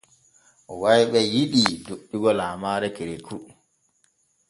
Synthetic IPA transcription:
ʔɔwajɓɛjiɗidoɗːiɡɔlaːmaːɾɛkeɾeku

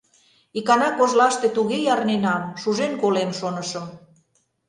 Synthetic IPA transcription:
ikɑnɑkoʒlɑʃt̪et̪uɣejɑɾnenɑmʃuʒenkolemʃonə̆ʃə̆m

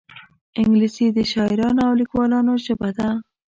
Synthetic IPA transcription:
ɪŋɡlisid̪əʃɑɪɾɑnoawlikwɑlɑnoʃabad̪a

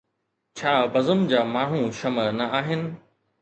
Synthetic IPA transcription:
t͡ɕʰaːbɐzəmd͡ʑaːmaːɳ̤ũʃɐmənɐaːɦɪnɪ̆

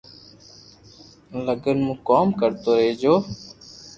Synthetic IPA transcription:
ləɡənmũːkoːmkəɾt̪oːɾəɦeːd͡ʒoː

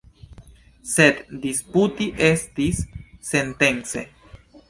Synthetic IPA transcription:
sed̪d̪isput̪iʔest̪isːent̪ent͡sḛ

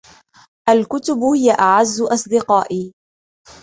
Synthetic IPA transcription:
ʔalkʊt̪ʊbʊhɪjaʔaʕazːʊʔɑsˤd̪ɪqɑːʔiː

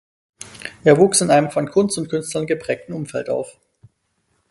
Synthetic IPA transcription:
ʔeːɐvuːksɪnʔaɪnəmfɔnkʰʊnstʊntkʰʏnstlɐnɡəpʁ̥ɛːk̚tn̩ʊmfɛltʔa̰ʊf

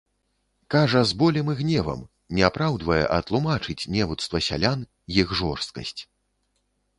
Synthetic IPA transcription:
kaʐɐzbɔlʲɛmɨɣnʲɛvɐ̰m | nʲɛapɾawd̪vɐjɛ̰ʔɐt̪lˠumat͡ʂɨt͡sʲnʲɛvut̪st̪vɐsʲa̰lʲan | jixʐɔrst̪̚kɐ̰sʲt͡sʲ

